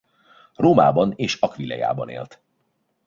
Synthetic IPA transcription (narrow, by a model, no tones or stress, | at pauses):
roːmaːbɒneːʃɒkʋilɛ̰ja̰ːbɒnḛːlt̪